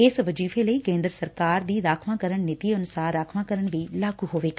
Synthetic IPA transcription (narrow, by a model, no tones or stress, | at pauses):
ɪsʋəd͡ʒiːfʰeːləiːkẽːnd̪ɾəsəɾkaːɾd̪iːɾaːkʰʋãːkəɾəɳnɪt̪iːənʊsaːɾːaːkʰʋãːkəɾəɳʋiːlaːɡuːɦoːʋeːɡ